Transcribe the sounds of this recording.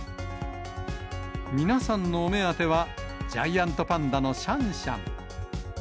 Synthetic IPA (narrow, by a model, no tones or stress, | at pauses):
mʲinasãnːo̞ːme̞at̪e̞βad͡ʑaiãnt̪o̞pãnd̪ano̞ɕãɰ̃ɕã̰ŋ